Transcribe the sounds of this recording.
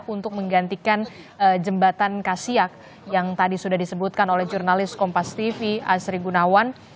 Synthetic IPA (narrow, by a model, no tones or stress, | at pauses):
punt̪ʊk̚məŋɡant̪ikan | əd͡ʒəmbat̪ankasiak̚ | jaŋt̪adisudahdisəbut̪̚kanolɛhd͡ʒurnalɪskɔmpast̪ifia̰sɾiɡunawan